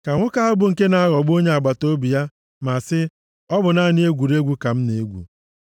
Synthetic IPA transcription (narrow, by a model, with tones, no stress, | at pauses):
ka˨ŋʷʊ˦ka˦a˦bʊ˦ŋ̩˨ke˦na˦a˦ɣɔ˨ɡ͡bo˦ɲe˦a˨ɡ͡ba˨to˦bi˨ja˦ | ma˨sɪ˦ | ɔ˦bʊ˨na˦˨nɪ˦e˦ɡʷu˨ɾe˦ɡʷu˦ka˨m̩˦ne˨e˦ɡʷṵ˨